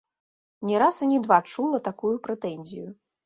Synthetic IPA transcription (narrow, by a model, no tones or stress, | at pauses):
nʲɛɾasɐnʲid̪vat͡ʂulˠɐt̪akujupɾɛt̪ɛnʲzʲiju